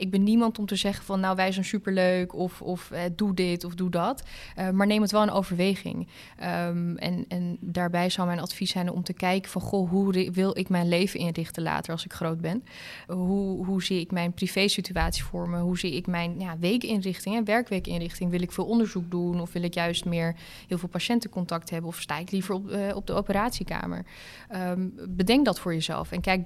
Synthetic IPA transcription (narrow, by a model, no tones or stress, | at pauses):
ʔɪɡ̚bɛnːimɑntɔmtəzɛχənvɑnːawʋɛjzɛnsypəɹløɥkʰɔfɔfɛdudɪtɔfdudɑtmaːɹnejmətʋɛlˠənʔowvəɹʋejχɪ̰ŋ | əmɛ̰nɛndaːɹbɛjzɑwmɛjnɑtfisɛjnɔ̰mtəkɛjkəfɑnχoɦuʋɪlˠɪkmɛjnlejvənʔɪnrɪχtəla̰ːtəɹɑlˠsɪkχrowd̚bɛn | ɦuɦuziɪkmɛjnprivejsityaːtsi̥fʊːɹməɦuziɪkmɛjnjaːʋejkɪnrɪχtɪŋɛnʋɛɹkʋejkɪnrɪχtɪŋʋɪlˠɪkfɪːlˠɔndəɹzuk̚dunɔfʋɪlɪkjœɥstmɪːɹ | ɦɪːlˠvɪːlˠpaʃɛntəkɔntɑk̚tɦɛbənɔfsta̰ːɪklivəɹɔɔb̚dəowpəɾaːtsika̰ːmə̰ɹ | bədɛŋk̚dɑtfʊːɹjəzɛ̰lˠfɛnkɛjk̚